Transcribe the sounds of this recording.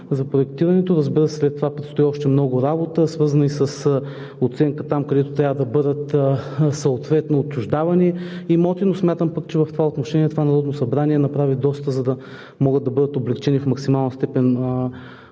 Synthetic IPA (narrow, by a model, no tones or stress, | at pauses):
zɐpɾoɛk̚t̪iɾɐnɛt̪oɾəzbiɾəsslɛt̪ːovapɾit̪st̪ʊiɔʃt̪ɛmnɔɡʊɾabot̪əsvɤɾzənisəs | ot̪sɛŋkət̪amkɐd̪ɛt̪ot̪ɾʲavəd̪ɐbɤd̪ət̪sɐot̪vɛt̪noːt͡ʃːʊʒd̪avɐniimɔt̪inosmʲjat̪əmpakt͡ʃɛvɐft̪ovaot̪noʃɛnʲiɛt̪ovanɐɾɔd̪nosɐbɾaniɛnɐpɾavid̪ɔst̪əzɐd̪ɐ | mɔɡət̪ːɐbɤd̪ət̪oblɛkt͡ʃɛnifmɐksimalˠnəst̪ɛpɛn